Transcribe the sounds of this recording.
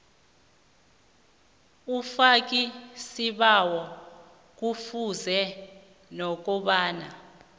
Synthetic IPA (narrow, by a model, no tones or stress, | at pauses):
ufak̬ʼisiɓawɔ | k̬ufuzɛ | nɔk̬ʼɔɓaːna